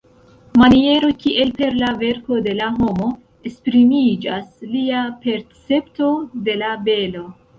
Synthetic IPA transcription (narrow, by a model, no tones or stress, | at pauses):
manie̞ɾo̞kiʔe̞lpe̞ɾlave̞ɾko̞de̞laɦo̞mo̞ | e̞spɾimid͡ʒasliape̞ɾt͡se̞pto̞de̞labe̞lo̞